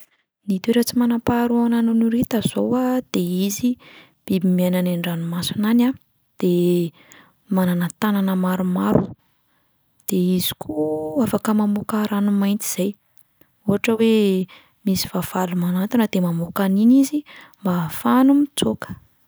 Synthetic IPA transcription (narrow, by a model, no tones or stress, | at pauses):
nit̪ueɾat͡simanapaɾuananunuɾet̪azowad̪̥eizi | b̥ibimiananaɳɖ͡ʐanumasunana | d̪̥e | mananat̪ananəmaɾumaɾu | d̪̥eizi̥kʰuafakəmamokaɾanumajnt̪i̥z̥aj | oɦaʈ͡ʂəwe | misiv̥av̥alumanat̪inəd̪emamokaninizimbafanumit͡sokə̥